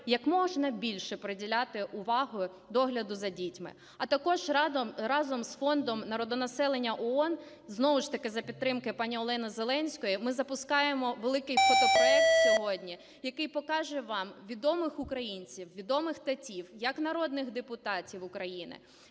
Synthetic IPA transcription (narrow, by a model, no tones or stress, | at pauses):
jɐkmɔʒnɐbʲilʲʃɛpɾedʲilʲat̪ɪʔʊʋɑɦʊ | d̪ɔɦlʲɐd̪ʊzɐdʲitʲmɪ̰ | ɐt̪ɐkɔʒɾɑzɔmsfɔnd̪ɔmnɐɾɔd̪ɔnɐsɛlˠenʲːɐʔɔɔn | znɔʋʊʃt̪ɐkɪzɐpʲid̪̚ːɾɪmkɪpɑnʲiɔlˠɛnɐzelˠɛnʲsʲkɔjimɪzɐpʊskɑjemɔʋelˠɪkɪjpɔt̪ɔklˠɛsʲɔɦɔdʲnʲi | jɐkɪjpɔkɑʒɛʋɑmʋʲid̪ɔmɪxʊkɾɐjinʲt͡sʲiwʋʲid̪ɔmɪxt̪ɐtʲiwjɐknɐɾɔd̪nɪɣd̪epʊt̪ɑtʲiwʊkɾɐjinɪ̰